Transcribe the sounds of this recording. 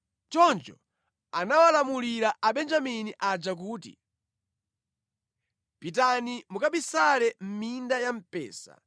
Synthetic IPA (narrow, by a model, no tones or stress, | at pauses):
t͡ʃɔnd͡ʒɔ̰ | anawalamuliɾaʔaɓɛnd͡ʒaminiʔad͡ʒak̬uːtḭ | pit̬animukaɓisalɛm̩mindajam̩pɛ̰ːsa̰